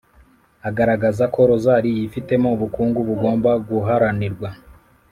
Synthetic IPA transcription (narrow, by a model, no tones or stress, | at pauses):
aɡaɾaɡazako̞ɾo̞zaɾijifite̞mouβukuːŋɡuβuɡo̞ːmbaɡuɦaɾaniɾɡwa